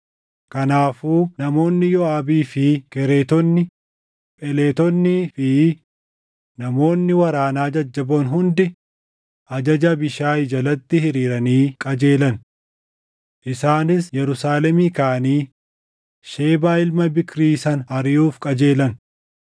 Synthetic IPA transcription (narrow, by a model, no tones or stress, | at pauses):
kɐnaːfuːnɐmo̞ːnːɪjɔaːbiːfɪkɛɾe̞ːt̪ɔnːɪ | pʼɛleːt̪ɔnːifɪ | nɐmo̞ːnːɪwɐɾaːnaːd͡ʒɐd͡ʒːɐboːnɦʊnd̪ɪ | ʔɐd͡ʒɐd͡ʒɐbɪʃaːɪd͡ʒɐlɐt̪ːɪhɪɾiːɾɐniːkʼɐd͡ʒe̞ːlɐn | ʔɪsaːnɪsjɛɾʊsaːlɛmiːkaːɐniː | ʃe̞ːbaːɪlmɐbɪkɾiːsɐnɐɾɪjuːfkʼɐd͡ʒe̞ːlɐn